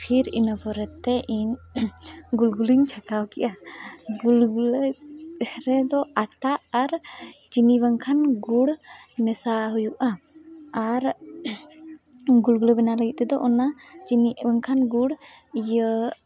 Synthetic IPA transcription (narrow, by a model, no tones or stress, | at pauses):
pʰiɾinəbɔɾɛt̪ːɛʔiɲ | ɡulɡuliɲt͡ʃʰakawkɛʔaɡulɡulə | ɾɛd̪ɔaʈaʔːɾt͡ʃinibaŋkʰanɡuɽmɛsaɦujuʔaaɾ | ɡulɡuləbɛnaləɡit̪̚t̪ɛd̪ɔʔɔnat͡ʃinibaŋkʰanɡuɽ | ijə